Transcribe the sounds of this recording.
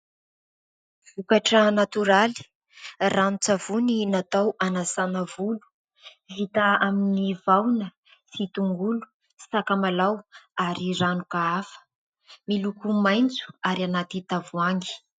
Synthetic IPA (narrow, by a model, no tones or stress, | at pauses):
v̥ukaʈ͡ʂənat̪uɾali̥ | rʔanut͡savuninat̪awʔanasanəvulu̥ | vit̪aaminivawnə | sit̪uŋɡulu̥ | sakamalawaɾiranukaafə̥ | milukumajnt͡su̥aɾianat̪it̪avuaŋɡi̥